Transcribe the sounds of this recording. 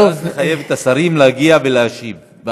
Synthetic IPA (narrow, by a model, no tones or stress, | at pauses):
zeχaje̞vet̪asaɾimleaɡiaveleaʃiv